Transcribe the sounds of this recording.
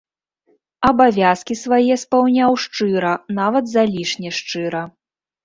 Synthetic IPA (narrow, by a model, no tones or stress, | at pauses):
ɐbavʲaskʲisvajɛspawnʲawʂt͡ʂɨɾɐnavɐd̪zalʲiʂnʲɛʂt͡ʂɨɾɐ